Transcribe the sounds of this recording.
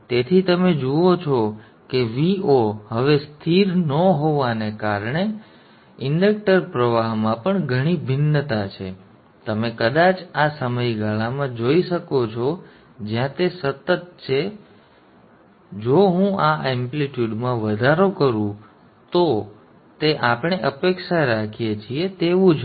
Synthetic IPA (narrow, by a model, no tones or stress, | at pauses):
t̪et̪ʰit̪əmed͡ʒuot͡ʃʰɔ | keʋiohəʋest̪ʰiɾnəɦoʋanekaɾɳe | ɪɳɖək̚ʈəɾpɾəʋaɦmãpəɳɡʱəɽ̃ibʱɪnːət̪at͡ʃʰe | t̪əmekəd̪at͡ʃasəməjɡʱaɭamãd͡ʒoiʃəkot͡ʃʰo | d͡ʒjãt̪esət̪ːət̪̚t͡ʃʰe | d͡ʒoɦũaʔɛmpliʈjuɖmãʋəd̪ʱaɾokəɾũ | t̪o | t̪eʔapɳ̃eʔəpekʃaɾakʰijet͡ʃʰiet̪eʋũd͡ʒ